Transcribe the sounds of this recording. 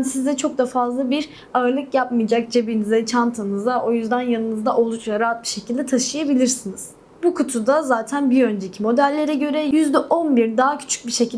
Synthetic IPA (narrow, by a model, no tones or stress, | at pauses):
nsizd̪ɛt͡ʃʰo̞k̚d̪afazlˠabiɾ | aɯɾlˠɯkjapmɯjd͡ʒak̚d͡ʒebinizɛt͡ʃʰant̪ʰanɯzd̪ao̞jyzd̪anjanˠɯnɯzd̪aʔo̞lˠut͡ʃlaɾaːat̪̚biʃe̞cʰilʲd̪ɛt̪ʰaʃɯjabilʲiɾsiniz̥ | bukʰut̪ʰud̪azaːt̪ʰænbiø̞nd͡ʒe̞cʰimo̞d̪ælʲːe̞ɾɛɟø̞ɾɛjyzd̪ɛʔo̞nbiɾd̪aːɦacʰy̥t͡ʃʰy̥c̚biʃecʰilʲ